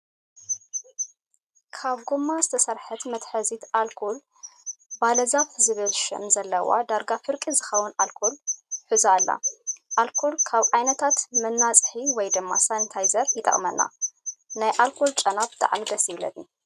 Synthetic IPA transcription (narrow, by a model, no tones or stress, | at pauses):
kʰaβɡumːazɨt̪ʰɐsɐɾħɨt̪mɐt̪ħɐzit̪ʔalkʰol | balɐzafzɨβɨlʃɪ̰mzɐlːɐwa̰d̪aɾɡafɨɾkʼizɨxɐwʊnalkʰolħɨzaːlːa̰ʔalkʰolkʰaβʕajnɐt̪ʰat̪mɨnːat͡sʼħiwɔjd̪ɨmːasant̪ʰajzɐɾjɪt̪ʼɐ̰χʼmɐnːa̰najʔalkʰolt͡ʃʼɐnabt̪ʰʼa̰ʕmid̪ɐsjɪβlɐ̰d̪ni